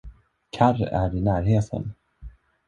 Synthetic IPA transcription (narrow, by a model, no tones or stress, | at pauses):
kʰaræ̰ɾɪnæːɾɦeːt̪ʰə̰n